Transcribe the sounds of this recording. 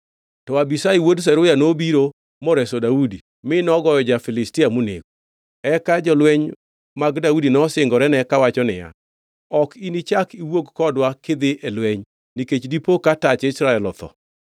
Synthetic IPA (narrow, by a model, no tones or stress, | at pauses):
tɔwabisaiwods̬ɛɾʊjanobiɾo | mɔɾɛsodaudi | mɪnɔɡɔjɔd͡ʒafɪlɪstɪamunḛɡu | ɛkad͡ʒɔlwɛɲ | maɡdaudinɔsɪŋɡɔɾɛnɛkawat͡ʃɔnɪ̰ja̰ | ɔkinit͡ʃakiwokkɔdwaked̪ɪʔɛlwɛɲ | niket͡ʃdipokatat͡ʃɪsɾaɛlɔt̪ɔ̰